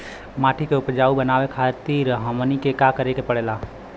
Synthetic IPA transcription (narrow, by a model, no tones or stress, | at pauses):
maːʈʰikeʊpd͡ʒaːubənaːwekʰat̪iːɾɦəmənikekakəɾekepəɽeːlaː